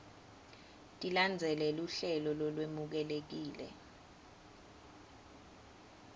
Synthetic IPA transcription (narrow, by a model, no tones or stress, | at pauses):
tʼiland͡zʱɛlɛluɬɛlɔlɔlwemuk̬ɛlek̬iːlɛ̰